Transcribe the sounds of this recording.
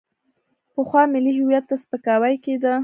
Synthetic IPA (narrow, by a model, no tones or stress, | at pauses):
pəxwɑmɪliɦɪwjat̪ːaspəkɑwajked̪a